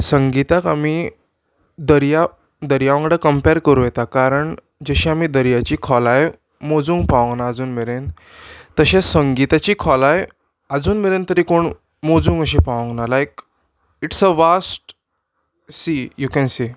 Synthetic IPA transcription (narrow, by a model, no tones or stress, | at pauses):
səŋɡit̪akamiː | d̪əɾja | d̪əɾjaʋə̃ŋɡɽakəmpeɾkəɾujɛt̪akaɾəɳ | d͡ʑəɕĩamid̪əɾjat͡ɕiːkʰɔlaje | mod͡zuːŋɡpaʋə̃ŋɡnaːd͡zuːnmeɭen | t̪əɕẽsəŋɡit̪at͡ɕiːkʰɔlaj | əd͡zuːnmeɭent̪əɾiːkoɳ | mod͡zũːŋɡəɕ̬ipaʋə̃ŋɡnalajk | iʈsəfasʈ | sijukɛ̃nsiː